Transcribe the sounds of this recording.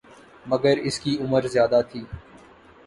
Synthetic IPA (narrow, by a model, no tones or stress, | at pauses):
mɐɡəɾɪskiʊməɾzɪjaːd̪at̪ʰiː